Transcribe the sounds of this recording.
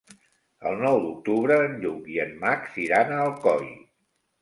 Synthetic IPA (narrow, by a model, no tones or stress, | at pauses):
ə̰lˠnɔwd̪uk̚t̪uβɾəːnʎukiənmaksiɾanəːlˠkɔj